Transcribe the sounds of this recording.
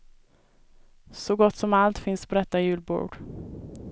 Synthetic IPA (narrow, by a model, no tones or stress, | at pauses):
sɔɡɔt̪ːsɔmalt̪fɪnspʰɔd̪ɛt̪ːajʉ̟ːlbo̰ːɖ̥